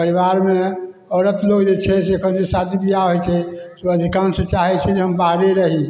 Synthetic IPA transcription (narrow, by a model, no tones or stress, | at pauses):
pəɾibaɾme | ɔɾət̪loɡd͡ʒet͡ʃʰɛs̬ekʰənd͡ʒesat̪ʰibijaɦojt͡ʃʰɛseəd̪ʱikansət͡ʃaɦɛt͡ʃʰɛd͡ʒeɦəmbaɾeɾəɦi